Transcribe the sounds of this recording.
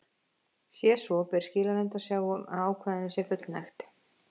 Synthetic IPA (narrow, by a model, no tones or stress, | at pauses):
sjɛsvɔpɛɾ̥scɪːlalɛnt̪ḁsjaːwɣʏma̰aːwkʰvaːðnɪsɛfʏt̪lnajxt̪